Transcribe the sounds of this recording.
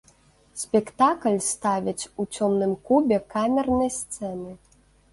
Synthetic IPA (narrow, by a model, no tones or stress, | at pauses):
sʲpʲɛkt̪aklʲst̪avʲit͡sʲut͡sʲɔmnɨmkubʲɛkamʲɛrnɐjst̪sɛnɨ